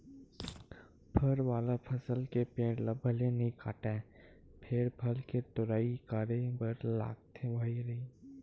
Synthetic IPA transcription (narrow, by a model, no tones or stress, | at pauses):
pʰɐɾʋaːlapʰɐsəlkepẽːʈlɐbʱːəlenĩkʰa̰ːʈẽ | pʰɪɾbʰʱɐlket̪ʊɾaːikaːɾebɐɾla̰ːɡ̚t̪ʰẽbʱɐiɾɐiː